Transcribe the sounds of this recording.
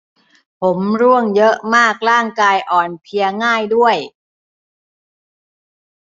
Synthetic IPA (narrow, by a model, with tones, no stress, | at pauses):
pʰo˩˦mɾu˥˩əŋjɤ˦˥ʔmaː˥˩k̚ɾaː˥˩ŋkaː˧jʔɔː˨˩npʰi˧ɐŋaː˥˩jdu˥˩əj